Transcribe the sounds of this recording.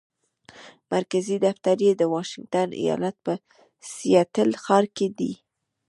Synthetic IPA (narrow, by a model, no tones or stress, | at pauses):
maɾkazid̪aft̪aɾjed̪əwɑʃɪŋɡ̚t̪anʔḭjɑ̰lat̪̚pə | sijɑt̪əlxɑɾked̪ḭ